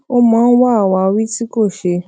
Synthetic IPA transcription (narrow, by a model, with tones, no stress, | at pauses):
o˦mãː˨˦˧n̩˦wa˦a˨wa˧wi˦ti˦ko˦˨ʃe˧